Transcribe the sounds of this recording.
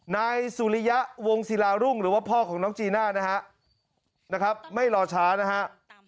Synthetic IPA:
naː˧jsuː˨˩˦li˧ja˦˥ʔwo˧ŋsi˨˦laː˧ɾu˥˩ŋɾɯː˩˦waː˥˩pʰɔː˥˩kʰɔː˩˦ŋnɔː˦˥ŋt͡ɕiː˧naː˥˩na˦˥ɦa˦˥ʔ | na˦˥kʰɾa˦˥p̚ma˥˩jlɔː˧t͡ɕʰaː˦˥na˦˥ɦa˦˥ʔ

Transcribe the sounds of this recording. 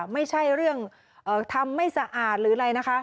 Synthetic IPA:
ma˥˩jt͡ɕʰa˥˩jɾɯ˥˩əŋ | ʔɤː˨˩t̪ʰa˧mːa˥˩jsa˧ʔaː˨˩t̪̚ɾɯː˩˦ɾa˧jna˦˥kʰa˦˥

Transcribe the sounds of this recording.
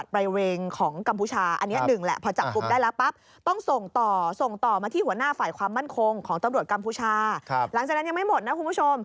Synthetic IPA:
a˨˩t̪̚pɾa˧jweː˧ŋkʰɔː˩˦ŋka˧mpʰuː˧˦t͡ɕʰaː˧ʔa˧nːi˦˥nɯ˨˩ŋlɛ̰˨˩pʰɔː˧t͡ɕa˨˩p̚kːu˧mdaː˥˩jlɛː˦˥wpa˦˥p̚ | t̪ɔ˥˩ŋso˨˩ŋt̪ɔː˨˩so˨˩ŋt̪ɔː˨˩maː˧iː˥˩hu˩˦ɐənaː˥˩faː˨˩jkʰwaː˧mːa˥˩nkʰo˧ŋkʰɔː˩˦ŋt̪a˧ɾu˨˩ət̪̚ka˧mpʰuː˧˥˩t͡ɕʰaː˧la˨˩˦ŋt͡ɕaː˨˩k̚n˦˥ja˧ma˥˩jmo˨˩t̪̚na˦˥kʰu˧nmʰu˥˩t͡ɕʰo˧m

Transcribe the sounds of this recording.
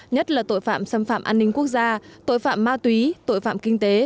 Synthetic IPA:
ɲə˦˥t̚laː˨˩t̪o̰˧˨jfa̰ː˧˨msə˧mfa̰ː˧˨mʔaː˧nːï˧ŋ̟ku˦˥ək̚zaː˧t̪o̰˧˨jfa̰ː˧˨mːaː˧t̪wi˨˦t̪o̰˧˨jfa̰ː˧˨mkï˧ŋ̟t̪e˨˦

